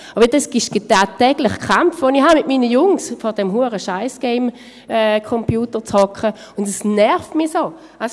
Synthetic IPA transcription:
abdɛsɡ̥ɪʃɡ̥etaːtːɛɡ̥lɪχkχamfʋonihamɪtmiːnəjʊŋsfɔʁd̥ɛmɦuəʁəʃaɪsɡ̥ɛɪm | ɛːkʰɔmpjuːtəʁt͡shɔkχə | ʊndɛsnɛʁftmɪsoː | ʔas

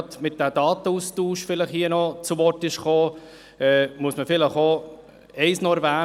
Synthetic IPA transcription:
t̪mɪt̚d̥ædɑːt̪əustuːʃfɪləχhiːənɔt͡suʋɔtɪʃχoː | ɛmuəsməfɪləχo | ɛɪsnɔɾvæː

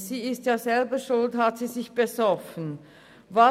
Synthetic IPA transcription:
z̥iːɪstjaːzɛlbəʃʊlthatz̥iːzɪçb̥ezɔfən̩ | va

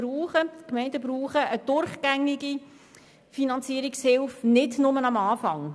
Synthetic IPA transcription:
ɾuːχəkmɛɪndəbɾuːχəʔəd̥ʊɾχɡ̥æŋːiɡi | finɑnt͡siəɾikshɪlfnɪdnʊmənɑmɑːfɑŋ

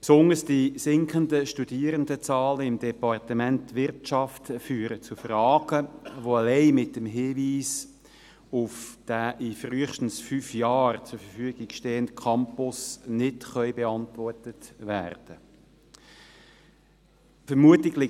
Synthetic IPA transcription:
psʊndəsd̥isɪŋkχəndəʃtud̥iːəɾəndət͡sɑːləɪmdɛpɑrtəmɛntːʋɪrtɑftfyːɾət͡sufrɑːɡ̥əʋoalɛɪmɪtəmɦɪːviːs | ʊfd̥æʔɪfryːəχʃtən̩sfyːfjɑːrt͡sʊɾfəfyəɡ̥ɪɡ̥ʃtɛːəndkʰɑmpʊsnɪdχœʏbeɑntvɔrtətʋæ̰ːrd̥ə | fəɾmuətɪɡlɪ

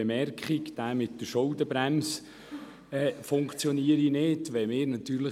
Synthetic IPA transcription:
emɛrkχikd̪̥æːmɪtdəʃoldəbɾæms | ɛːfʊŋkt͡sjɔniəɾinɪdʋɛmɪːɾnɑt̪ːyːɾlə

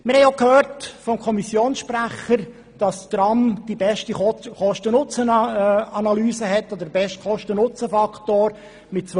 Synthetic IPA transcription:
mɪɾhɛɪokhøːɾtfɔmkʰɔmisjoːnsʃpɾæχəɾ | d̥ɑst̪ɾɑmd̥ibɛʃtiχɔʃtənʊt͡səɑnɑlyːsəɦɛtːɔd̪əbɛʃtχɔʃtənʊt͡səfɑkχtoːɾ | mɪt̚t͡s

